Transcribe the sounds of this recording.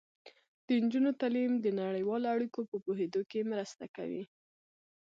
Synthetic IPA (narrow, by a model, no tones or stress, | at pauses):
d̪̥ənd͡ʒunot̪alimd̪ənaɽəjwɑloaɽikopəpoɦed̪okemɾəst̪aka̰wḭ